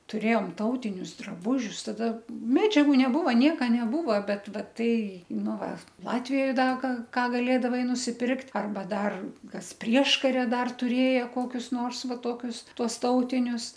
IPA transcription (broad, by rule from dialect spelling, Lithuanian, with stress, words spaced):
tʊˈrʲeːjoːm ˈtɐʊtʲɪnʲʊs drɐˈbuːʒʲʊs ˈtɑːdɐ ˈmʲæːd͡ʒʲɛɡʊ nʲɛˈbuːʋɐ ˈnʲiɛkɐ nʲɛˈbuːʋɐ ˈbʲɛt ˈʋɐ ˈtɐɪ ˈnʊ ˈʋɐ ˈlˠɑːtʲʋʲɪjoːj ˈdɐ ɡɐ ˈkɑː ɡɐˈlʲeːdɐʋɐɪ nʊsʲɪˈpʲɪrktʲ ɐrˈbɐ ˈdɐr ˈkɐs ˈpʲrʲiɛʃkɐrʲɛ ˈdɐr tʊˈrʲeːjɛ ˈkoːkʲʊs noːrs ˈʋɐ ˈtoːkʲʊs ˈtuɔs ˈtɐʊtʲɪnʲʊs